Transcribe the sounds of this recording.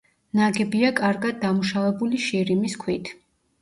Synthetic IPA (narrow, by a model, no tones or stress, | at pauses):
naɡɛbiakʼaɾɡad̪̚ːamuʃavɛbuliʃiɾimiskʰwit̪ʰ